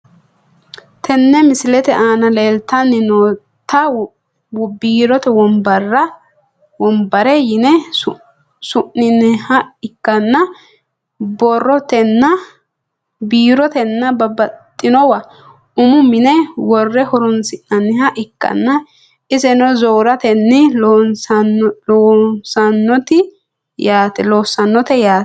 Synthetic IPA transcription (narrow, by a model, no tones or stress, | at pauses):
t̪ʰɛnːɛmɪsɪlɛt̪ɛʔaːnɐleːlt̪ːɐnːɪnoː | t̪ːɐ | biːɾɔt̪ɛwɔmbɐrːɐ | wɔmbɐɾɛjɪnɛ | sʊʔːɪnːɛhɐɪkːɐnːɐ | bɔrːɔt̪ɛnːɐ | biːɾɔt̪ɛnːɐbɐbɐt̪ʼːɪnɔwɐ | ʊmʊmɪnɛwɔrːɛhɔɾʊnsɪnːɐnːɪɦɐʔɪkːɐ̰nːɐ | ɪsɛnɔzoːɾɐt̪ɛnːɪnsɐnloːsɐnːɔt̪ɪ | jaːt̪ɛloːsːɐnːɔt̪ɛjaːt